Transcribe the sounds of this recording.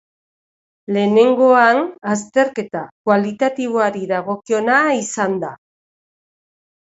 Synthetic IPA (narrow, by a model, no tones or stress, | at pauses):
le̞ːne̞ŋɡo̞anast̪e̞ɾke̞t̪akwalit̪at̪iβ̞oaɾiðaɣ̞o̞kio̞naisand̪a